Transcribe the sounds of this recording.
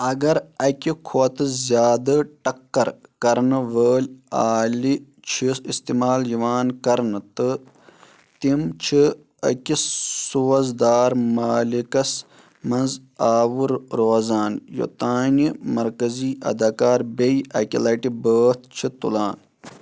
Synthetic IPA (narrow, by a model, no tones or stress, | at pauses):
ɐɡɐɾɐkʲikʰot̪ɨzjaːd̪ɐʈɐkːɐɾkɐɾnɨʋəːlʲaːli | t͡ʃʰisist̪imaːljiʋaːnkɐɾnɨt̪ɨ | t̪imt͡ʃʰi | ɐ̰kʲissuːɐzd̪aːɾmaːlikɐs | mɐnzaːʋuɾɾoːzaːnjo̰t̪aːnimɐɾkɐziːʔɐ̰d̪aːkaːɾbejʔɐ̰kʲilɐʈibəːt̪̚ʰt͡ʃʰit̪ṵlaːn